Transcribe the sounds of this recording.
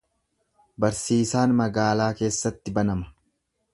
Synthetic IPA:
bɐɾsiːsaːnmɐɡaːlaːke̞ːsːɐt̪ːɪbɐnɐmɐ̥

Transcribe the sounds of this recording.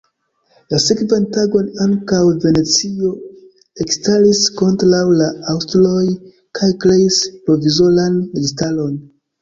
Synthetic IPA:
lasekvantaɡo̞naŋkawve̞ne̞t͡sio̞ | ekstalisko̞ntɾawlaawstlo̞j | kʰajkɾe̞ispɾo̞vizo̞lanmɡistalo̞n

